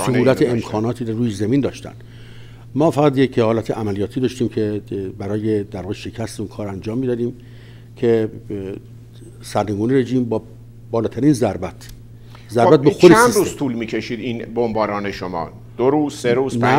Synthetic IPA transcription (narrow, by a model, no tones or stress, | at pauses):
sohuːlæt̪ʰeemkʰɒːnɒːt̪ʰiːɾoruːjezæmiːnd̪ɒːʃt̪æ̰nd̪ | mɒːfæɣæt̪jekʰːhɒːlæt̪ʰeʔæmælijɒːt̪ʰiːd̪ɒːʃt̪iːmcʰebæɾɒːjed̪æɾvɒːɣeʃecʰæst̪eunkʰɒːɾænd͡ʒɒːmːid̪ɒːd̪iːm | cʰe | sæɾneɡuːneɾe̞ʒiːmbɒː | bɒːlɒːt̪ʰæɾiːnzæɾbæt̪ʰ | zæɾbæt̪̚bbexod̪enɾuːzt̪ʰuːlmiːcʰeʃiːd̪inbombɒːɾɒːneʃomɒ̰ː | d̪̥oɾuːzseɾuːz̥næ